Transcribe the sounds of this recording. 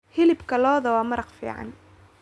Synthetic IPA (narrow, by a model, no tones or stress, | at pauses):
hɪlɪbkʰɐlɔːðɐwɑːmɑɾɑqfḭːʕɑ̰n